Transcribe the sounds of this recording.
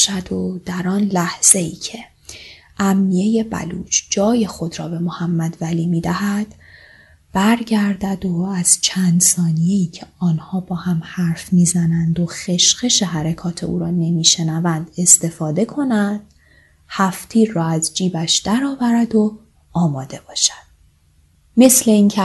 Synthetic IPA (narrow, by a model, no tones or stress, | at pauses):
ʃæd̪̥od̪̥æɾɒːnlæhz̥e̞iːcʰe̞ | ʔæmːije̞je̞bæ̰lṵːt͡ʃd͡ʒɒːje̞xo̞d̪ɾɒːbe̞mohæmːæd̪væliːmiːd̪æhæd̪̥ | b̥æɾɟæɾd̪æd̪oæz̥t͡ʃʰænd̪sɒːnije̞iːcʰeɒːnhɒːbɒːhæmhæɾfmiːzænænd̪o̞xe̞ʃɢe̞ʃe̞ɦæɾekʰɒːt̪ʰe̞̰ṵːɾɒːne̞miːʃe̞nævænd̪̥e̞st̪e̞fɒːd̪e̞kʰo̞nænd̪̥ | hæft̪ʰiːɾːɒːæzd͡ʒiːbæʃd̪æɾɒːvæɾæd̪o | ɒːmɒːd̪e̞b̥ɒːʃæ̥d̪̥̚ | me̞sle̞iːŋcʰe